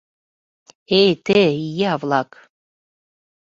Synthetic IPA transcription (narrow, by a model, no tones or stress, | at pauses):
ejt̪eijeɑvlˠɑk